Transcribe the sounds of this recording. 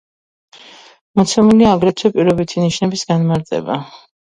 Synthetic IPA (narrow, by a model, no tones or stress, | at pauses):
mɔt̪sʰɛmuliaːɡɾɛt̪ʰwɛpʼiɾɔbit̪ʰiniʃnɛbisɡanmaɾt̪ʼɛ̰ba